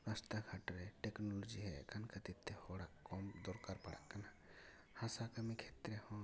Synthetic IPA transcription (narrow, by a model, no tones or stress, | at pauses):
ɾast̪aɡʱaʈɾɛʈɛknɔlɔd͡ʒiɦɛkʰankʰat̪it̪ʰːɛhɔɽakːɔmd̪ɔɾkaɾpaɽa̰ʔkːana | hãsakəmikʰet̪ɾɛhɔ̃